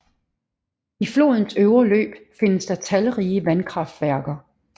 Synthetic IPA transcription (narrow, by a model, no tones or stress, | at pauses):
iflo̝̰ːð̞ˠn̩søʊɐlø̰ːb̥fe̝nəsd̥ɑ̈t͡sʰælʁiːəʋænkʰʁɑ̈fd̥ʋæɐ̰ɡ̥ɐ